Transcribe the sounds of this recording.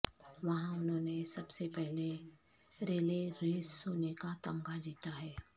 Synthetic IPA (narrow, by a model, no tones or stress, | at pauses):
ʋɐɦãʊnɦõːnesɐbsepɛɦle | ɾeːleɾeːsːoːnekat̪ɐmɡad͡ʒiːt̪aɦɛː